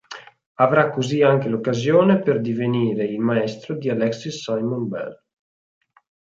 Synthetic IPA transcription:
avɾakːoziaŋkelokːazjoːneperd̪iveniːɾeilmaɛst̪ɾod̪ialɛksisajmonbɛ̰l

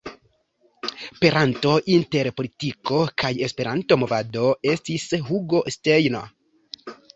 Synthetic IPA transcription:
pe̞ɾanto̞ʔinte̞ɾpo̞litiko̞kaje̞spe̞ɾanto̞mo̞vado̞e̞stisɦuɡo̞ste̞jno̰

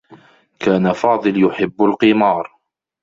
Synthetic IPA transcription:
kaːnafɑːd̪ˤɨljʊħɪbːalqɪmɑːɾˤ

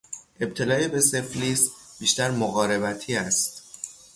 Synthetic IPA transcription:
ʔe̞b̚t̪ʰe̞lɒːebe̞se̞fliːsb̥iːʃt̪æɾmoɣɒːɾe̞bæt̪ʰiːæst̪

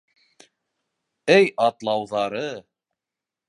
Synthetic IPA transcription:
ɘjʔɑt̪lˠɑwðɑɾɤ

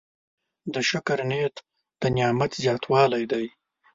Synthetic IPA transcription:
d̪əʃʊkaɾnet̪ | d̪̥ənjɑːmat̪zjɑːt̪ʰwɑːlajd̪aj

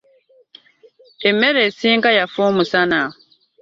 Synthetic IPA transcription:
emːeɾesiŋkajafomusana

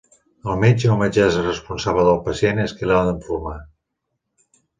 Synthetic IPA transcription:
əlˠmed͡ʒəəməd͡ʒɛzrəspunsaβləðəlˠpəsieneskəlad̪əɱfuɾma

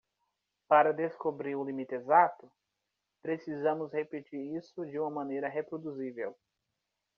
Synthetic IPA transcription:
paɾɐd̪eskobɾiɾʊlimit̪ezat̪ʊ | pɾesizɐ̃mʊshepet͡ʃiɾisʊd͡ʒɪũmɐmɐ̃nejɾɐɦepɾod̪uzivḛw

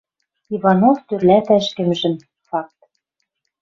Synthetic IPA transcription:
ivɑnoft̪ørlæt̪æʃkɘ̆mʒɘ̆m | fɑk̚t̪

